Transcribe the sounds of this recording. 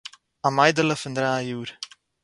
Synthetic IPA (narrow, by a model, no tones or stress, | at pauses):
amɐjdələfəndɾaːjuːɾ